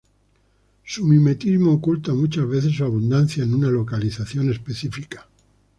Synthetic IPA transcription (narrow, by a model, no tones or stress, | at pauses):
sumime̞t̪izmoːkult̪amut͡ʃazβ̞eθesuaβ̞und̪anθjaenunalo̞kaliθaθjo̞ne̞spe̞θifikḁ